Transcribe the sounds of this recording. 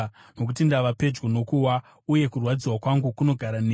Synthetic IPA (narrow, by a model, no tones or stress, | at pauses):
no̞k̬utindaʋape̞d͡ʒɡono̞kuwa | uje̞kurwad͡ziwakwaŋɡukuno̞ɡʱaɾane